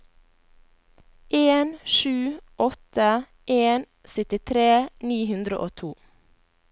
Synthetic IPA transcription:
ʔeːnʃʉːʔɔt̪ə | ʔeːn | sœt̪ɪt̪ʰɾeːniːhʉnd̪ɾəʔoːt̪ʰuː

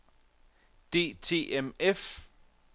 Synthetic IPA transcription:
d̥e̝̰ːt͡sʰe̝̰ːʔemef

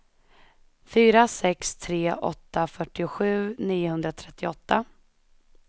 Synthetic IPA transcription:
fyːɾasɛkst̪ʰɾeːʔɔ̰t̪ːafœʈːɪʊɧʉ̟ːniːʊhɵnd̪ɾat̪ʰɾɛt̪ːɪɔt̪ːa

